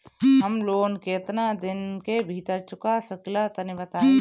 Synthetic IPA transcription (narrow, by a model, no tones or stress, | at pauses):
ɦɐmloːnket̪nad̪ɪnkebʱit̪əɾt͡ʃʊkasəklat̪ɐnibɐt̪aː